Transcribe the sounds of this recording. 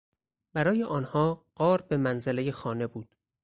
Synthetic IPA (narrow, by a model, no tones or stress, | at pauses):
bæɾɒːjeʔɒːnhɒːɢ̥ɒːɾbemænzelejexɒːne̞buːd̪̥